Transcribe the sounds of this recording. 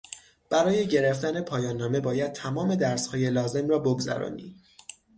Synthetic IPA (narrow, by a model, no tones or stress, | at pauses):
b̥æɾɒːje̞ɟe̞ɾeft̪æne̞pʰɒːjɒːnːɒːme̞bɒːjæd̪̚t̪ʰæmɒːme̞d̪æɾshɒːje̞lɒːze̞mrɒːboɡzæ̰ɾɒ̰ːnḭː